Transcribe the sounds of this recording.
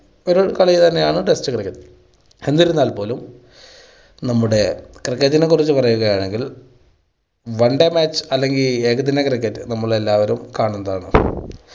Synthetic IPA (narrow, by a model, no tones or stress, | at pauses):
oɾukɐɭɐjit̪ɐnːe̞jaːɳɨʈe̞stɨkrikːɐtː | hend̪iɾunːaːlpo̞ːlum | nɐmːuɽe̞krikːɐtːinekːurit͡ɕːupɐrɐjuɣɐjaːɳeŋɡil | ʋɐɳɖemaːt͡ɕːɨ̥ɐlːe̞ŋɡile̞ːɣɐt̪̬ːinekrikːɐtːɨnɐmːɐɭelːaːʋɐɾumkaːɳunːɐðaːɳɨ̰